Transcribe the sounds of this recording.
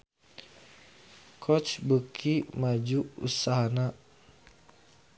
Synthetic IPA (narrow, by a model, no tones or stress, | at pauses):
kʰɔt͡ʃbəkʰimad͡ʒuʔṵsaɦana